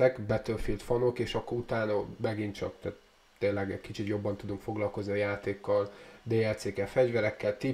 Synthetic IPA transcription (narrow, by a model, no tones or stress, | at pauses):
ɛkbɛt̪ølfilt̪fɒno̞keːʃɒkːout̪aːnɒmɛɡint͡ʃɒ̰k̚t̪ɛːt̪ | t̪eːnlɛɡɛkit͡ʃit̪jo̞bːɒnt̪ud̪uŋkfo̞ɡlɒlko̞zniɒjaːt̪eːkːɒld̪eːɛt̪seːkɛfɛɟvɛɾɛkːɛlt̪i